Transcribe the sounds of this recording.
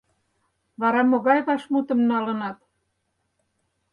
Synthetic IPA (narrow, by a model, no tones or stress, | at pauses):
βɑɾɑmoɣɑjβɑʃmut̪ə̆mnɑlə̆nɑt̪